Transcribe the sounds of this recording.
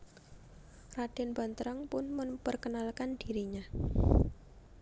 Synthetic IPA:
rad̥ɛnba̤nt̪ɾaŋpʊnməmpərkənalkand̥iɾiɲa

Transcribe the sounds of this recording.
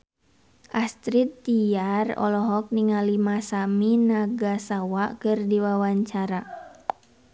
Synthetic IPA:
ʔast̪ɾit̪ːiarɔ̰lɔɦɔk̚niŋalimasaminaɡasawakɨrdiwawaɲt͡ʃaɾa

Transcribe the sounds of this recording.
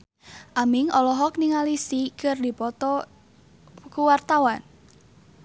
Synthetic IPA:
ʔamɪŋɔlɔɦɔk̚niŋalisikərdipɔt̪ɔ | kuwart̪awan

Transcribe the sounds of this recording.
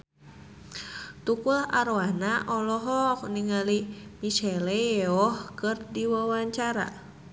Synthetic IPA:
t̪ukulahaɾowanaʔɔlɔɦɔkniŋalimiʃɛleɔhkɨrdiwawaɲt͡ʃaɾa̰

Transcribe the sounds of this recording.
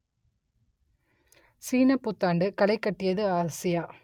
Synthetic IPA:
siːnɐpːʊt̪ːaːɳɖɯkɐlɐɪkːɐʈːɪjɐðɯaːɾɐsɪjaː

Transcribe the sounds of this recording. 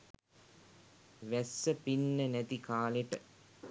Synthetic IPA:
ʋɛsːɐpinːɐnɛt̪ikaːleʈɐ

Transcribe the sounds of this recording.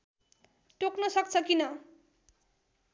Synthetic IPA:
ʈoknʌsʌk̚t͡sʰʌkinʌ

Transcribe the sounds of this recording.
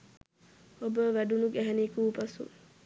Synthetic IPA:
obəʋæɖunuɡæɦɛnikuːpasṵ

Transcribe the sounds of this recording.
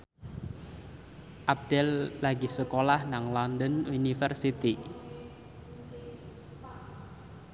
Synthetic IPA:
ʔab̚d̥ɛlːaɡisəkolahnaŋlɔnd̪ənunifərsit̪i

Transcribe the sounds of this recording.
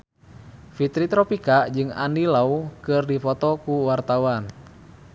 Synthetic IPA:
fit̪ɾit̪ɾɔpikad͡ʒɨŋa̰ndilaukɨrdifɔt̪ɔkuwart̪awan

